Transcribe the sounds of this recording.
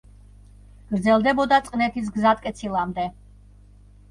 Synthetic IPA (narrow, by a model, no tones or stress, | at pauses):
ɡ̥ɾd̪zɛlˠd̪ɛbɔd̪at̪sʼqʼnɛt̪ʰis̬ɡzat̪̚ʰkʼɛt̪sʰilˠamd̪ɛ